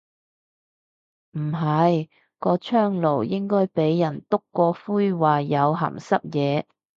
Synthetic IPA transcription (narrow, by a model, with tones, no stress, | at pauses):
m̩˨˩ɦɐ˨j | kɔː˧t͡ʃʰœː˥ŋlo˨˩wjɪ˥ŋkɔː˥jpe˨˥jːɐ˨˩nt̪ʊ˥kːɔː˧fuː˥jwaː˨˩jɐ˨˧wɦɐ̰˨˩msɐ˥p̚jɛː˨˧